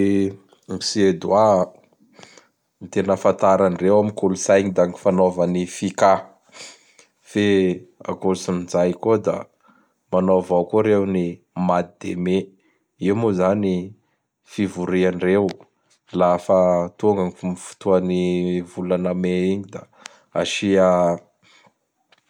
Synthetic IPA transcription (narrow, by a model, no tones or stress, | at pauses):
misied̪wa | nt̪enafant̪aɾanirewamikulusajɲid̪aŋifanovanifika | fea̰kolusuninzajkod̪a̰ | manovawkoɾewni | mat̪̚id̪ḛme | iumozani | fivuɾianirew | lafat̪uŋɡaŋifmifu̥t̪uanivulanameiɲid̪a | aʃia